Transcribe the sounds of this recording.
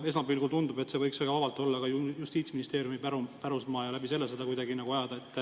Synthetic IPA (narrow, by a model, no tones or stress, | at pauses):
e̞smɑbiːlɡult̪und̪ube̞t̪ːse̞vɤ̞jksvæɡ̥ɑvɑbɑlt̪ːˑo̞lːɑɡ̥ɑjujust̪iːt̪sminist̪e̞ːɾjumipæɾupæɾusmɑːjɑlæbise̞lːes̬ed̪̥ɑkujd̪ɑɡinɑɡuɑjɑd̪̥ɑet̪ːˑ